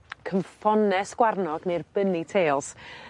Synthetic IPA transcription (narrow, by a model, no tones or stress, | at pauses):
kʰəɱfɔnɛsɡ̥warnɔɡnerb̥ənitʰeːlˠs